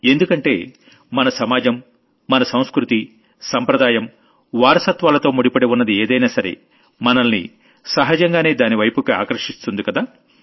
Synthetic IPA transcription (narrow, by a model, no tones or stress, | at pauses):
e̞nd̪ukɐɳʈe̞̰ː | mɐnɐsɐmaːd͡ʒɐmː | ɐnɐsɐ̃w̃skɾut̪i | sɐmpɾɐd̪aːjɐm | ʋaːɾɐsɐt̪ʋaːlɐt̪o̞ːmuɽipɐɽeunːɐd̪ieːd̪ɐjnaːsɐɾḛ | mɐnɐlnḭ | sɐɦɐd͡ʒɐŋɡaːne̞ːd̪aːniʋɐjpukia̰ːkɐɾʂist̪und̪ikɐd̪aː